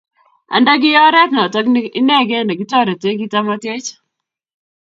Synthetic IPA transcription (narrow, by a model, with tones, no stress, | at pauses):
a̰˨nda˦ɡɪ˦jɔ˦ɾɛ˦tnɔ˨tɔ˦ɡɪ˦nɛ˦ɡɛ˦˨na˨ɡɪ˦tɔ˦ɾɔ˨te˦ɡi˦ta˦ma˦te˦t͡ʃ